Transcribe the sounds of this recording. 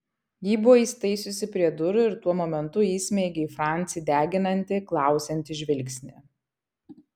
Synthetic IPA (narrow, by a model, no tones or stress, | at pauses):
jiːbʊʋɔiːsʲt̪ɐɪsʲʊsʲɪpʲɾʲiɛd̪ʊɾʊɪɾt̪uɔmoːmʲɛnt̪ʊiːsʲmʲɛɪɡʲɛifɾɑˑnʲt̪sʲɪd̪ʲæːɡʲɪnɐnʲt̪ʲɪklˠɑˑʊsʲɛnʲt̪ʲɪʒʲʋʲɪlʲksʲnʲɪ